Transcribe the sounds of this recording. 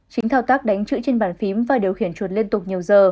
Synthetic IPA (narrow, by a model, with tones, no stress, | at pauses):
t͡ɕï˨˦ŋ̟t̪ʰaː˧wt̪aː˦˥k̚ɗa˨˦jŋ̟t͡ɕɨ̰˧˥t͡ɕe˧nɓaː˧˩nfi˨˦mvaː˨˩ɗi˨˩əwxi˧˩ənt͡ɕwə˨˩t̚li˧ənt̪ʊ˨˩k͡p̚ɲi˨˩əwzəː˨˩